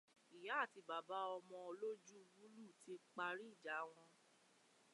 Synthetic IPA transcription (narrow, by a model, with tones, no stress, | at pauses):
i˨ja˨˦˨ti˧ba˨ba˨˦ɔ˧mɔ̃˧o˧lo˦d͡ʒu˦bu˦lu˦˨ti˧k͡pa˧ɾi˦i˦˨d͡ʒa˨˦w̃ɔ̃˧˦